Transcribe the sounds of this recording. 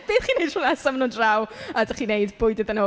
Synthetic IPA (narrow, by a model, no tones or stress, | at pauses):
b̥ɪːðχiːnejd̥ruːnasamanuːndrawadaχiːnejdbʊjdɪðəno